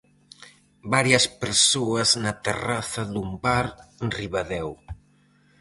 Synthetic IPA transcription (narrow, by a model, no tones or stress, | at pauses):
baɾjɐspeɾsoɐznɐt̪ḛraθɐðumbaɾenriβaðɛw